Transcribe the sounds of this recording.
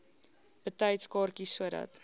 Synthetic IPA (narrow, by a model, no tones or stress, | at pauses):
b̥ətɐjtskɑːrkisuədɐ̰t